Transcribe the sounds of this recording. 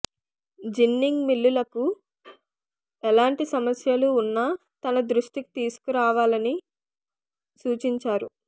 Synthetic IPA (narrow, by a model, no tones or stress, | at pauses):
d͡ʒinːiŋɡmilːulɐku | ɛlaːɳʈisɐmɐsjɐluːnːa | t̪ɐnɐd̪ɾuʂʈiki̥t̪iːsu̥kuɾaːʋaːlɐni | suːt͡ʃiɲt͡ʃaːɾu